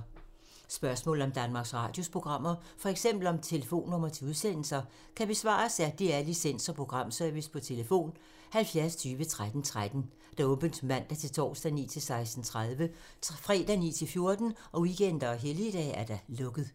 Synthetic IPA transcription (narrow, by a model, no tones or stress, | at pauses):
sb̥ɶɐsmɔ̰̽ːl̩ˠɒ̽md̥ænmɑ̈ɡ̥sʁɑ̰̈ːd̥jo̝spʰʁo̝ɡ̥ʁɑ̈m̰ɐfɒ̽eɡ̥sem̰b̥l̩ɒ̽mt͡sʰe̝ləfo̝̰ːnːɔ̽mɐt͡sʰe̝uð̞ˠsen̰l̩sɐ | kʰæb̥e̝sʋɑ̰̈ːsæd̥iæɐlisen̰sɒpʰʁo̝ɡ̥ʁɑ̈m̰sœɐʋispʰɒ̽t͡sʰe̝ləfo̝̰ːn | hælfjæɐst͡sʰyːʋət͡sʰʁad̥n̩t͡sʰʁad̥n̩ | d̥ɑ̈ɔ̽ːb̥ənd̥mæn̰d̥æɐt͡sʰe̝lt͡sʰɒ̰ːsd̥ænḭːt͡sʰe̝lsɑ̈ɪsd̥n̩t͡sʰʁaðˠʋə | fʁɛ̰ːd̥ænḭːt͡sʰe̝lfjo̝ɐd̥n̩ɒ̽wiɡ̥en̰d̥ɐɒɦelid̥ɛ̰æɐd̥ælɔ̽ɡ̥ð̩ˠ